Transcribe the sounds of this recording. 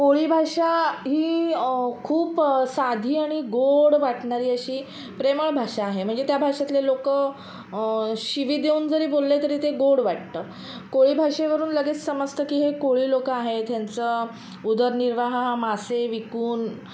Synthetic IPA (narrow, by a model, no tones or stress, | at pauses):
koɭiːbʱaʂaɦiː | kʰuːpsad̪ʱiːaɽ̃iɡoɽʋaʈɳaɾiːəɕiː | pɾeməɭbʱaʂaːɦem̤əɳd͡zet̪jabʱaʂat̪lelokə | ɕiʋiːd̪euːnd͡zəɾiːbolːet̪əɾiːt̪eɡoɽʋaʈ̚t̪ə | koɭiːbʱaʂeʋəɾuːnləɡeːt͡ssəməst̪əkiːɦekoɭiːlokaɦet̪jant͡sə | ud̪əɾniɾʋaɦaɦamaseʋikuːn